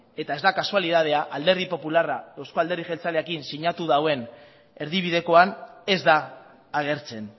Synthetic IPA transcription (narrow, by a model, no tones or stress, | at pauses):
e̞t̪ae̞zd̪akasualið̞að̞e̞aʔald̪e̞ɾð̞ipo̞pularaðawsko̞ald̪e̞ɾðiʝelt͡saleakinsiɲat̪uðawe̞n | e̞ɾðiβiðe̞ko̞ane̞zd̪aː | ɣ̞e̞ɾt͡se̞n